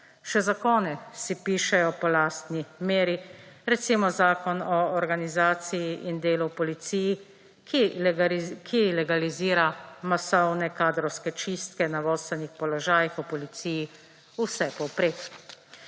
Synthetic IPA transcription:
ʃɛzakɔːnɛsipiːʃɛjɔpɔlaːst̪nimeːɾiɾɛt̪simɔzaːkɔnɔːɾɡanizaːt̪sijiʔind̪eːlupɔlit̪siːji | kʰilɛɡaliziːɾamasɔwnɛkaːd̪ɾɔwskɛt͡ʃist̪kɛnaʋɔːsɛnixpɔlɔʒaːjixɔpɔlit̪siːji | usɛpɔwpɾeːk

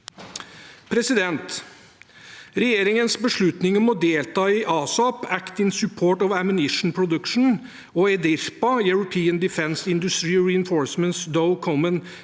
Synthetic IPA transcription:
pʰɾɛsɪd̪ɛnt̪ | ɾɛjeːɾɪŋənsbəʂɭʉt̪nɪŋɔmɔd̪eːlt̪ɑːiʔɑːsɑpækt̪ɪnsʉpʰoːʈɔʋæmʉnɪʂn̩pʰɾʊd̪ʉkʂn̩ | ɔːɛd̪ɪɾpɑjʉɹʊpʰiːənd̪ɪfɛnsɪnd̪ʉst̪ɾiːɔɹɪɛnfoːɹsmənt̪sd̪ɔʊkʰɔmən

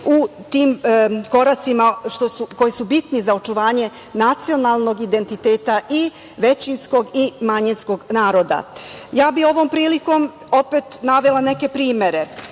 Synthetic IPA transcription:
ut̪iːmko̞ɾat̪simaʃt̪osuko̞jisubit̪nizao̞t͡ʃuʋaːɲe̞ | nat̪sio̞nalˠno̞ɡid̪e̞nt̪it̪eːt̪aʔi | ʋe̞t͡ɕinsko̞ɡimaɲinsko̞ɡnaːɾo̞d̪a̰jaːbio̞ʋo̞mpɾiːliko̞m | o̞pet̪naʋelˠane̞ke̞pɾiːme̞ɾe̞

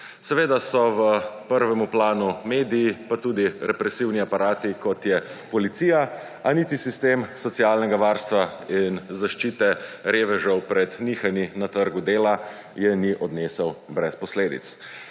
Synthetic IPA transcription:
sɛʋeːd̪asɔʋəpəɾʋɛmuplaːnumeːd̪ijːpat̪uːd̪iɾɛpɾɛsiwniapaɾaːt̪ikɔt̪jɛpɔlit̪sija | aniːt̪isist̪eːmsɔt̪sialnɛɡaʋaːɾst̪ʋainzaʃt͡ʃiːt̪ɛɾeːʋɛʒəwpɾɛd̪niːxaninat̪əɾɡud̪eːla | jɛniʔɔd̪neːsəwbɾɛspɔsleːd̪ḭt̪s

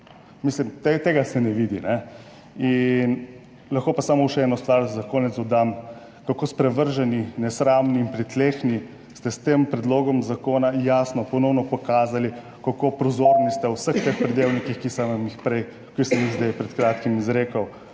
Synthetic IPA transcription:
mislimt̪et̪eːɡasɛnɛʋiːd̪inɛ | in | lɐxkopasamɔuʃɛɛːnɔst̪ʋaɾzakoːnɛt̪sɔd̪am | kakoːspɾɛʋəɾʒɛninɛsɾaːmniːnpɾit̪leːxni | st̪ɛst̪empɾɛd̪loːɡɔmzakoːnajaːsnɔpɔnɔwnɔpɔkaːzali | kakopɾozoːɾnist̪ɛwsəxt̪expɾid̪eːwnikixkisɐmmixpɾɛj | kisɐmiɣzd̪ɛjpɾɛt̪kɾaːt̪kimizɾeːkəw

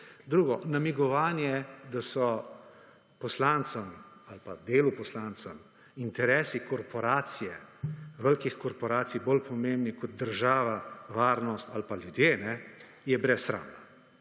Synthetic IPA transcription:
d̪ɾuːɡɔnamiɡɔʋaːnjɛd̪asɔ | pɔslaːnt̪sɐmalpad̪eːlupɔslaːnt̪sɐm | int̪ɛɾɛːsikɔɾpɔɾaːt̪sijɛʋəlkixkɔɾpɔɾaːt̪sibolpʰɔmeːmbnikɔd̪̚d̪əɾʒaːʋaʋaːɾnɔst̪alpaljud̪jeːnɛ | jɛbɾɛsxɾa̰ːna

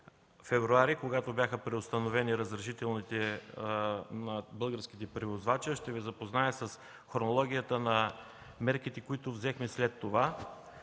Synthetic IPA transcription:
fɛvɾuaɾikoɡat̪obʲjaxəpɾɛost̪ɐnovɛniɾəzɾɐʃit̪ɛlˠnit̪ɛ | nɐbɤlˠɡəɾsk̟i̥t̪ɛpɾɛvozvat͡ʃəʃt̪ɛvɛzɐpoznaɛsɐs | xoɾnolˠɔɡ̟ʲijət̪ənɐ | mɛɾkit̪ɛkoit̪ovzɛxmɛslɛt̪ːova

